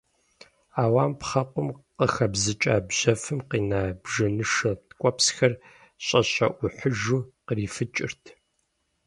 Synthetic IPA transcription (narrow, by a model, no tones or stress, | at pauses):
aːwaːmpχɐqʷʼʊmqəxɐbzɨt͡ʃʼaːbʑɐfɨmqiːnaːbʒɐnɨʂɐtkʷʼɔpsxɐr | ɕʼɐɕʼɐ̰ʔʷʊħəʒuːqəriːfɨt͡ʃʼɪ̰rtʰ